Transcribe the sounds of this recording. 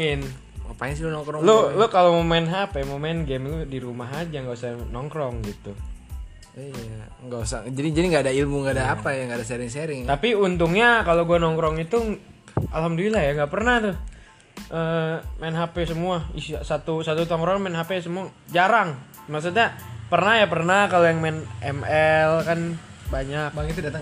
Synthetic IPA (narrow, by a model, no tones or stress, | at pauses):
ɪn | ŋəpaɪns̬ilunɔŋkɾɔlolokalomomaɪnɦapemomaɪnɡɛmludiɾumaɦad͡ʒaŋɡausanɔŋkɾɔŋɡit̪u | ija | ŋɡausad͡ʒadid͡ʒadiŋɡaːdailmuŋɡaːdaːpajaŋɡaːdas̬eɾɪŋseɾɪŋt̪apiunt̪uŋɲakaloɡuanɔŋkɾɔŋit̪u | alhamdolilaɦjaŋɡaʔpərnaht̪ʊ | ʔəmɛnɦapesəmuaisasat̪usat̪ut̪ɔŋkɾɔŋmɛnɦapesəmua | d͡ʒaɾaŋ | maks̬ut̪ɲapərnahjapərnakalojaŋmɛnɛmɛlkan | baɲakbaŋit̪udat̪a